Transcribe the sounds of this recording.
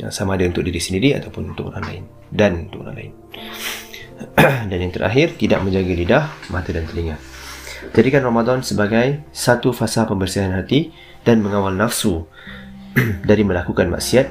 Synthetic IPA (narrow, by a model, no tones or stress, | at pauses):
ja̰ŋsamaːdaunt̪ʊk̚diɾiʔsəndiɾia̰t̪awpʊnunt̪ʊkʔo̰ɾa̰ŋla̰ɪ̰n | danunt̪ʊʔo̰ɾa̰ŋla̰ɪ̰n | danjaŋt̪əɾʔa̰ɦɪrt̪idaʔ̚mə̃ɲd͡ʒaɡalidahmat̪ədant̪əliŋand͡ʒaɾikanramadɔnsəbaɡajsat̪ufasapəmbərsiɦanɦat̪i | d̥anməŋawalnafsu | daɾimə̃lakukanma̰ʔsiat̪̚